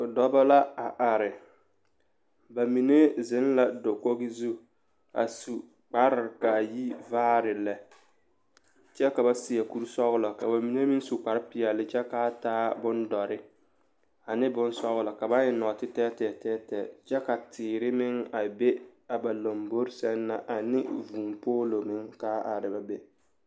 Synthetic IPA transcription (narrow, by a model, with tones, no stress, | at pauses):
dɔ˦bɔ˦la˦a˨ʔa˨ɾɪ˨ | ba˨mi˨ne˦zɪ˦nla˦do˨ko˦ɡɪ˦zu˦ | a̰˨su˨ | k͡pa˦ɾɪ˨ɾka˨ji˦vaː˦ɾɪ˨lɛ˨ | t͡ʃɛ˦ka˨ba˦sɪ˨a˨ku˦ɾsɔ˦ɣʊ˦lɔ˨ka˨ba˨mi˨ne˦mi˦su˨k͡pa˨ɾɪ˦pɪ˨ɛ˨lɪ˨˦t͡ʃɛ˦ka˨˦taː˦bʊ˦ndɔ˨ɾɪ˦ | a˨nɪ˦bʊ˦n˦sɔ˦ɣʊ˦lɔ˨ka˨ba˦ɲɪ˨nɔ˨tɪ˦tɛː˦tɛ˨tɛː˦tɛː˨t͡ʃɛ˦ka˨tʰɪː˨ɾɪ˦mɪ˦ŋa˨be˦a˨ba˨lo˨mbo˦ɾsɛ˦nːa˨ʔa˨nɪ̰˦vu˨mpoː˦lo˨mɪ˦ŋkaː˦a˨ɾɪ˨ba˨be˦